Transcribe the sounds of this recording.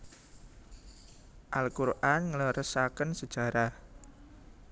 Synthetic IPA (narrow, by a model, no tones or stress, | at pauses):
ʔalkuɾʔanŋələɾʔəsakənsə̥ʒ̥a̤ɾa